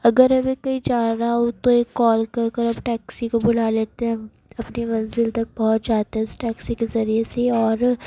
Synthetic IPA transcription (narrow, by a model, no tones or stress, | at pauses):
ɐɡəɾɐbʱikɐid͡ʒaːɾɦaɦt̪oeːkːɔːlkɐɾkɐɾɐbʈɛːksikobʊl̤aleːt̪eɦɛ̃ | ɐpnimɐ̃nzɪlt̪ɐk̚bɔɦɔt̪̚d͡ʒaːt̪eɦɛ̃ʊsʈɛːksikezɐɾieseɔːɾ